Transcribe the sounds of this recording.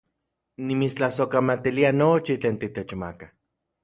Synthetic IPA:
nimit͡st͡ɬahsokamat̪ilianot͡ʃit͡ɬeːnt̪it̪et͡ʃma̰kḁ

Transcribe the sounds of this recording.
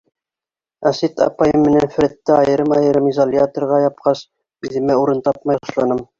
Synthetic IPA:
æsit̪ɑ̰pɑjɤmːɘ̆nænfɘ̆ɾæt̪ːɘɑjɤ̆ɾɤmɑjɤ̆ɾɤmizolʲjat̪ŏɾʁɑjɑp̚qɑs | iðɘ̆mæuɾɤnt̪ɑp̚mɑjɑ̆ʃlˠɑnɤm

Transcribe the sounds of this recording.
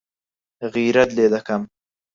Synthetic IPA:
ɣiɾad̪led̪akam

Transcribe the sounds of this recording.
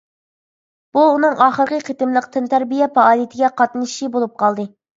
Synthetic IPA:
b̥uːnɨŋɑːχəɾqʰəqʰət̪ɨmlˠəqt̪ʰɨnt̪ʰæɾbijɛpɑɑːlˠijet̪ʰɪɡʲɛqʰɑt̪nɨʃibolˠup̚qʰɑlˠd̪ɨ

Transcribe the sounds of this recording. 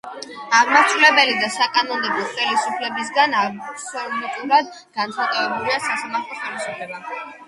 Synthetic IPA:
aʁmaɾt͡ʃ̪ʰulɛbɛlid̪asakʼanɔnd̪ɛblˠɔχɛlisupʰlɛbis̬ɡanasɔmɛt̪ʼuɾad̪ | ɡ̥ant̪sʰχat̪ʼɔvɛbuliasasamaɾt̪ʰlˠɔχɛlisupʰlɛba

